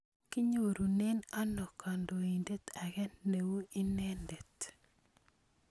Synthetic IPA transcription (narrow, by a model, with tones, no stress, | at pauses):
ki˦ɲo˦˨ɾu˨ne˦na˦nɔ˨ka˨ndo˨i˨nde˦t̪a˨ɣɛ˦nːe˨wu˦i˦ne˦nde˨t